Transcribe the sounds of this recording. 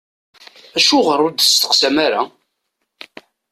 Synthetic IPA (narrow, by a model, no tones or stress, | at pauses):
æʃuʁərˤːʊɾd̪əst̪ə̥qsæmaɾa